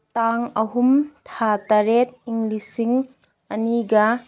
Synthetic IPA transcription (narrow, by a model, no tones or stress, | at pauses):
t̪aŋɐɦumt̪ʰat̪ɐɾet̪̚iŋlisiŋ | ɐniɡɐ